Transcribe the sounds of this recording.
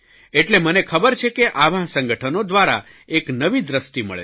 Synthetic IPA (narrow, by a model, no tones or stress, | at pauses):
eʈlemənekʰəbəɾt͡ʃʰekeʔaʋãsə̃ŋɡəʈʰənod̪ʋaɾa̰ | eknəʋid̪ɾəsʈimə̰ɭḛ